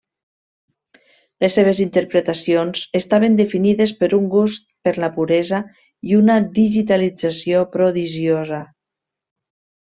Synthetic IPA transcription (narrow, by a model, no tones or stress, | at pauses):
lesːeβ̞ezint̪əɾpɾet̪asionz̥est̪aβend̪efiniðespəɾuŋɡust̪̚pəɾlapuɾɛza | iunad̪iʒit̪alid͡zasiopɾoðiʒioza